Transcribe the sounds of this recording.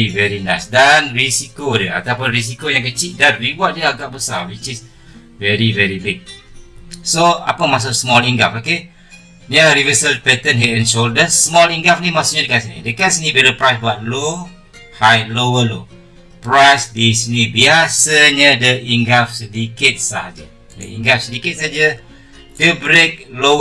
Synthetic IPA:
ivɛɾinajsdanɹisikodəa̰t̪awpʊnɾis̬ikojãŋk̬ət͡ʃiʔ̚danriwɔt̚jəaɡaʔbəsa̰wit͡ʃis | vɛɾivɛɾibiɡ̚ | soa̰pəmas̬oʔsmɔliŋɡafoke | naɾivəsəlpɛt̪ə̃nɦetɛ̃nʃoldəsmɔliŋɡafnimasʊʔɲədəkasnḭdəkasnibɛləpɹajsbat̚lo | hajlowəlo | pɾajsdisnibiasaɲədəiŋɡafsədikit̪̚saad͡ʒə | də̰ḭŋɡafsədikit̚sad͡ʒə | tubɾek̚lo

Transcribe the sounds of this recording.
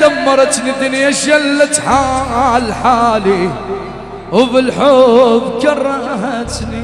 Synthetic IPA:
amːɑɾˤɑt̪nid̪ɪnjaʃalːat̪ħaʕalħaːli | wbɪlħobkɑrˤːɑhat̪ni

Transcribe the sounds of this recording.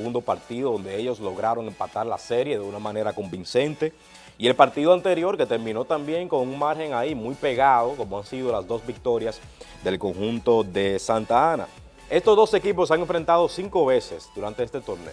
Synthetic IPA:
ɣund̪o̞paɾt̪iðoðo̞nd̪e̞eʎo̞slo̞ɣɾaɾo̞ŋe̞mpat̪aɾla̰se̞ɾje̞ðeunamãne̞ɾako̞mbinse̞nt̪e̞ | ie̞lpaɾt̪iðoant̪e̞ɾjo̞ɾke̞t̪e̞ɾmĩno̞t̪ambje̞ŋko̞ŋuŋmaɾxe̞ŋaimujpe̞ɣaðo̞ko̞moansið̞o̞lazðo̞zbik̚t̪o̞ɾjas | d̪e̞lko̞ŋxunt̪o̞ðe̞sant̪aana̰ | e̞st̪ozðo̞se̞kipo̞saŋeɱfɾe̞nt̪aðo̞siŋko̞βe̞se̞sd̪uɾant̪e̞est̪e̞t̪o̞ɾnḛ

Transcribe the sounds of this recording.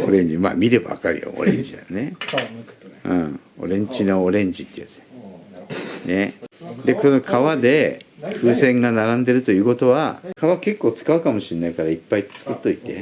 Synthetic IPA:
o̞̰ɾẽ̞ɲ̟d͡ʑima̰ːmʲiɾebaβa̰kaɾɯ̟jo̰o̰ɾẽ̞ɲd͡ʑid̪ane̞ | ɯ̰̃ː | o̞̰ɾẽ̞ɲ̟d͡ʑinoːɾẽ̞ɲd͡ʑit̪ːejat͡sn | ned̪e̞ko̞nokʰaβad̪e̞kɯ̟ːsẽ̞ŋɡanaɾãnd̪e̞ɾɯ̟t̪o̞jɯ̟ːko̞t̪o̞βakʰaβake̞kːo̞ːt͡sɨ̥kaɯ̟kamo̞ɕinːaikaɾaipːait͡sɨ̥kɯ̟t̪ːo̞it̪e̞̰

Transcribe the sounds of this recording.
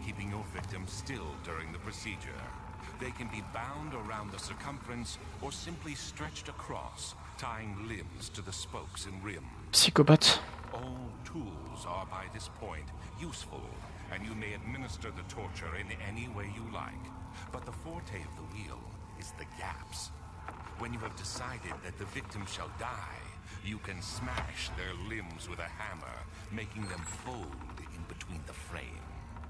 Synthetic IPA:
kʰipɪ̃ŋjə˞vɪk̚tɨ̃mstɪlˠdʊɹɪ̃ŋðɨpʰɹ̥ɨsid͡ʒə̰˞ | ðeɪkɨ̃nbibãʊ̃ndə˞ãʊ̃nðəsə˞kʰʌ̃ɱfɹɨ̃ns | ə˞sɪ̃mplistɹ̥ɛt͡ʃtɨkʰɹ̥ɔ̰s | tʰaɪɪ̃ŋlɪ̃mz̥tʰɨðɨspoʊksɨ̃nɹɪ̃m | sikobətɔlˠtʰulˠzə˞baɪðɪspʰɔ̃ɪ̃nt | jusfl̩ˠ | ɨ̃njɨmeɪɨd̚mɪ̃nɨstə˞ðɨtʰɔɹt͡ʃə˞ɪ̃nɛniweɪjɨla̰ɪk | b̥ʌt̪̚ðəfɔɹtʰeɪʌvðəwḭlˠ | ɨzðɨɡæ̰ps | wɨ̃njɨɨvdɨsaɪɾɨd̪̚ðɨt̪̚ðɨvɪk̚tɨ̃mz̥ʃə̰lˠdaɪ | jɨkʰɨ̃nsmæʃðə˞lɪ̃mzwɨðɨhæmə̰˞ | meɪkɪ̃ŋðɨ̃ɱfoʊlˠdɪ̃nbɨtʰw̥ĩnðəfɹḛ̃ɪ̃m

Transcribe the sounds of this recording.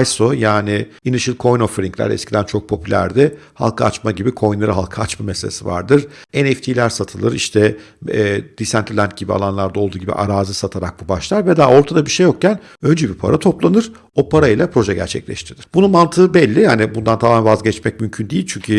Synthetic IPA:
jsojaːnɪ | inɯʃilkʰo̞jnofɾiclʲæ̰ɾɛ̰scʰʲid̪ænt͡ʃʰo̞k̚pʰo̞pʰylʲæ̰ɾd̪ɛha̰lˠkʰaat͡ʃmaɟibikʰo̞jnˠaɾɯɦalˠkʰaːt͡ʃmameselʲesiva̰ɾd̪ɯɾɛnɛft̪ʰilʲæɾsat̪ʰɯlˠɯɾiʃt̪ʰɛː | d̪̥isænt̪ʰɾlʲænt̪̚ɟibia̰lˠanlˠaɾd̪ao̞lˠd̪uːɟibḭʔa̰ɾaːzɯsat̪ʰaɾak̚bubaʃlˠaɾvɛd̪aːo̞ɾt̪ʰad̪abiɾʃe̞jo̞k̚cæn | ø̞nd͡ʒɛbipʰa̰ɾat̪ʰo̞plˠanɯɾ̥ | o̞pʰaɾailˠapʰɾo̞ʒɛɟæ̰ɾt͡ʃʰɛ̰clʲɛ̰ʃt̪ʰiɾiɾ̥bununmant̪ʰɯːbɛlʲːihaːnibund̪ant̪ʰamanvazɟɛt͡ʃmɛc̚mymcʰynd̪ejilʲt͡ʃʰyɲcʰy

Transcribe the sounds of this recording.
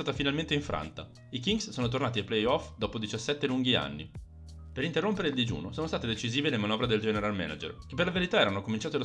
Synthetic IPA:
aːt̪afinalment̪eiɱfɾʔa̰nt̪a̰ | ikiŋɡssoːnot̪̬ornaːt̪iajplejɔfd̪ɔːpod̪it͡ʃasːɛt̪ːeluŋɡia̰nːi | peɾint̪erːompeɾeild̪id͡ʒṵːnosoːnost̪at̪ed̪et͡ʃiziːvelemanɔvɾed̪eld͡ʒɛːneɾalmɛ̰na̰d͡ʒḛrkepːerlaveɾit̪aɛɾanokomint͡ʃaːt̪elo

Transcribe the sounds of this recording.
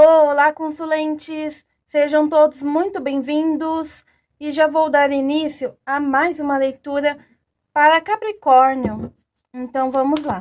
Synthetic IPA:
olakõsulẽnt͡ʃɪsː | eʒɐ̃w̃t̪od̪ʊzmũj̃t̪ʊbẽj̃vĩnd̪ʊs | ɪʒavowd̪aɾinisjʊamajzũmɐlejt̪uɾɐ | paɾɐkapɾikɔɾnjʊ | ẽnt̪ɐ̃w̃vɐ̃mʊzla

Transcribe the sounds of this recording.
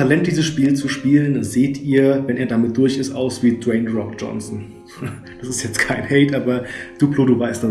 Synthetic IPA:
alɛnt̚d̥iːzəsʃpiːlt͡suʃpiːləndaz̥eːtʰʔiːɐvɛnʔeːɐdamɪt̚d̥ʊɐçɪstʔa̰ʊsv̥iːdwɛɪnʁɔk̚d͡ʒɔ̰nsn̩ | d̥asɪstjɛt͡stkʰaɪnhɛɪtʔaːbɐd̥uːploːduːvaɪsta

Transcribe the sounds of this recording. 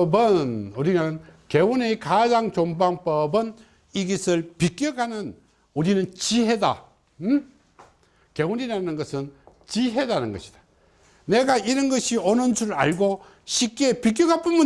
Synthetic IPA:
bɯnuɾinɯnke̞wunekad͡ʑaŋt͡ɕombaŋp͈ʌbɯn | iɡisʰɯɭpik͈joɡanɯn | uɾinɯnt͡ɕiɦeda̰ | keuninaanɯnɡʌsʰɯnt͡ɕiɦe̞danɯnɡʌɕʰi̥d̥ḁ | ne̞ɡaiɾʌnɡʌɕʰionɯnd͡ʑuɾɯɾa̰ɭɡo | ɕʰik͈epik̬joɡap͈ɯmu

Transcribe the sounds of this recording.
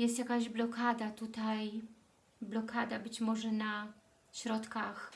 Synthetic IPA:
jɛst̪jakaʑblɔkad̪at̪ut̪aj | blɔkʰad̪abɘt͡ɕmɔʐɛna | ɕɾɔt̪kax

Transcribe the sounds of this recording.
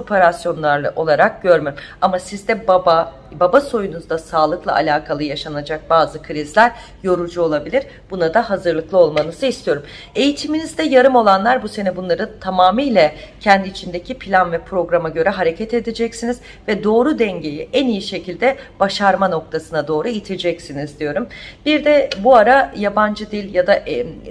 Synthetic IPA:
opʰe̞ɾasjo̞nlˠaɾʔo̞lˠaɾak̚ɟ̥ø̞ɾmøamasizd̪ɛbaba | babaso̞junuzd̪asaːlˠɯklˠa̰a̰lʲaːkʰalˠɯjaʃanad͡ʒak̚baːzɯkʰɯɾizlʲæɾ | jo̞ɾud͡ʒuo̞lˠabilʲiɾ | b̥unad̪aɦazɯɾlˠɯklˠɯo̞lˠmanɯzɯist̪ʰijo̞ɾum | e̞jit̪ʰiminizd̪ɛjaɾɯmo̞lˠanlˠaɾbuse̞nɛbunlˠaɾɯt̪ʰamaːmijlʲɛcʰɛnd̪iːt͡ʃʰind̪ecʰipʰilʲanvɛpʰɾo̞ɡɾamaɟø̞ɾɛɦaɾe̞cʰɛt̪e̞d̪ed͡ʒɛcsiniz | vɛd̪o̞ːɾud̪ɛɲɟe̞jiʔænijiʃe̞cʰilʲd̪ɛb̥aʃaɾmano̞k̚t̪ʰasɯnad̪o̞ːɾuit̪ʰed͡ʒɛcsinizd̪ijo̞ɾumbiɾd̪ɛbuaɾajaband͡ʒɯd̪ilʲjad̪aʔ

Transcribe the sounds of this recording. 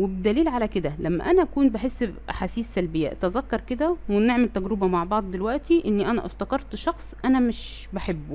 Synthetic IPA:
webd̪æliːlʕalæked̪ælæmːæ̰ʔænæʔækuːnbaħesːʔa̰ħaːsiːsːælbɪjːæ̰ʔæ̰t̪æzækːɑɾˤked̪æweneʕmælt̪æɡɾɪbæmaʕbɑʕd̪ˤd̪elwæʔt̪iʔɪnːiʔænæʔɑ̰ft̪ɑkɑɾˤt̪ʃɑxsˤʔænæmɪʃ | baħebːu

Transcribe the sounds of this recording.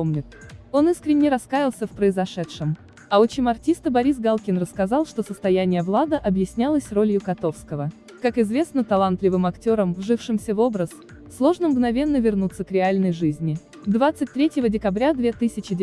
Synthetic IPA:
omnʲɪt̪o̞nɨskɾʲɪnʲːɪɾɐskajɪlˠsʲəfpɾəɪzɐʂɛt̪ʂɨm | ɐot͡ɕɪmɐrtʲist̪əbɐɾʲisɡalˠkʲɪnrəskɐzɑlˠʂt̪o̞səst̪ɐjænʲɪjəvlˠad̪əʔɐbjɪsʲnʲalˠəsʲro̞lʲjʊkɐt̪o̞fskəvə | kakɪzvʲe̞snət̪ɐlˠant̪lʲɪvɨmɐktʲo̞ɾəmvʐɨfʂɨmsʲəvo̞bɾəs | slˠo̞ʐnəmɡnɐvʲe̞nːəvʲɪrnut̪sːəkɾʲɪalʲnəjʐɨzʲnʲɪ | d̪vat̪sɨt̚ʲt̪ɾʲetʲjɪvədʲɪkɐbɾʲad̪vʲe̞t̪ɨsʲɪt͡ɕɪdʲ

